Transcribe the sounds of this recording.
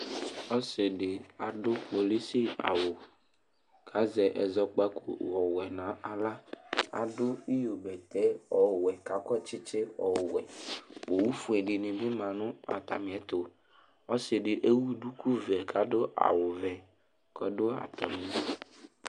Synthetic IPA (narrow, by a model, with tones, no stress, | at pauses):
ɔ˦sɪ˨dɪ˨a˨dʊ˦k͡po˨li˦sɪ˦a̰˨wʊ˨ | kʰa˨˦zɛ˨ʔɛ˨zɔ˨k͡pa˦kʰʊ̰˨wɔ˨wɛ˨nã˨˦ʔa˨la˦a̰˨dʊ˦i˦jo˨bɛ˨t̪ɛ˦ɔ˨wɛ˨ka˨˦kɔ˦t͡ʃɪ˦t͡ʃɪ˦ɔ̰˨wɛ̰˨wo˨wu˦fu˨ɛ˨ɖɪ˨nɪ̃˨bɪ˦mã˨nʊ̃˦a̰˨t̪a̰˨mɪ̃˨ɛ˨t̪ʊ˨ | ɔ˦sɪ˨ɖɪ˨ʔe˦wu˦du˦ku˦vɛ˨kʰa˨dʊ˦ʔa̰˨wʊ˨vɛ˨ | kɔ˨dʊ˦a̰˨t̪a˨mɪ̃˨˦˨